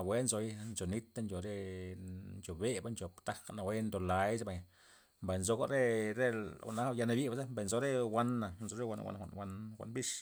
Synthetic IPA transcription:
a˨wʷe˦nzo˨˧jnt͡ʃo˨ni˦t̪ːa˦nt͡ʃo˨ɾe˦ | nt͡ʃo˨be˦ba˦nt͡ʃo˨pt̪a˦kna˨we˦nd̪o˨la˨˦jsa˦ba˨j | mba˨jnzo˧˦ɡo˦ɾe˦ɾḛ˦˨na˦ja˧na˧bi˦ba˧˦e˦mba˨nzo˦ɾe˦wa˧nːa˨nzo˧ɾe˦wa̰˧nwʷa̰˨nʷ˨a̰˨nwa˧nwa̰˨nbi˦ʂ

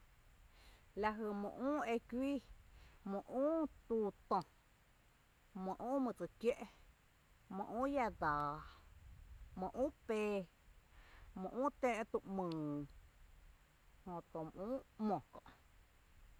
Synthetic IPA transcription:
la˧ɦə˧˨mõ̰˨ʔũː˦e˧kʷiː˦mõ˧ʔũː˦t̪u˧t̪õ˧ | mõ˨ʔũː˦mə̃˧t͡sɨ˧˨kje˦ʔ | mõ̰˨ʔũː˦ja˧d̪aː˨ | mõ˨ʔũː˦pe˧ | mõ˧˨ʔũː˦t̪ẽː˧ʔt̪u˧ʔmɨ̃ː˨ | hõ˨t̪õ˨m˨ʔũː˦mõ˨kɔ̰̃˨ʔ

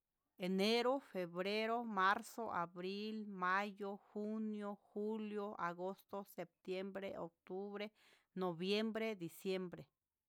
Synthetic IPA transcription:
e˨ne˦ɾo˦fe˨βɾe˦ɾo˦ma˦ɾso˦ʔa˨βɾi˦lma˦jo˦xu˦njo˦xu˦ljo˦ʔa̰˨ɡo˦st̪o˦se˨p̚t̪je˦mbɾe˦ʔo˨k̚t̪u˦βɾe˦ | no˨βje˦mbɾe˦d̪i˨sje˦mbɾe˨

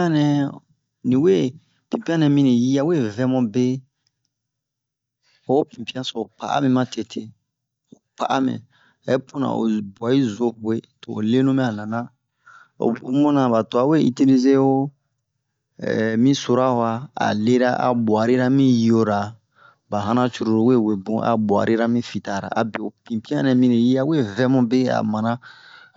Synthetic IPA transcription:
ã˦nɛ̃˦ | nĩ˨we˦ | pĩ˨pi˦ã˦nɛ̃˨mĩ˦nĩ˨ji˦a˦we˦vɛ̃˦mɔ̃˦be˦ | o˨˦pĩ˨pi˦ã˦so˨pa̰˨ʔa̰˦mĩ˦mã˦te˨tʰe˨ | o˨pa˨ʔa˦mɛ̰̃˨ | e˦pu˦nã̰˨ʔo̰˨ba˨i˦zo˦˨kwe˦to˨o̰˨le˦nũ˦mɛ̃˦a˨nã˨nã˦ | o̰˨u˨˦mũ˦nã˨ba˨to˨a˨we˦i˦ti˦li˦ze˦o˦˨ | mĩ˦so˦ɾa˦hwa˦a̰˨le˦ɾa˦ʔa˨bwa˨ɾi˦ɾa˦mĩ˦jo˦ɾa˨ | ba˨ɦã˦nã˦t͡ʃu˦ɾo˨ɾo˨we˦˨we˨bũ˦ʔa̰˨bwa̰˨ɾʔi˦ɾa˦mĩ˦fi˨ta˨ɾa̰˨a˨be˨o˨pĩ˨pĩ˦ã˦nɛ̃˨mĩ˦ne˨ji˦a˦we˦vɛ˦mũ˦be˦a̰˨mã˨nã˦

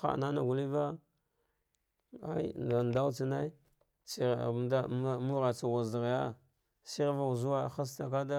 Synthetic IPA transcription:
xa̰˨na˦na˨ɡu˨li˦va˦ | a˦jda˨n˨da˦wt͡si˦na˦i˦ | si˦˨da˦mu˦ɾa˨t͡sa˨wa˨za˨ɣja˦ | si˦ɾva˦u˨zu˦wa˦˨xa˦s̬ta˨k̬a˦da˦

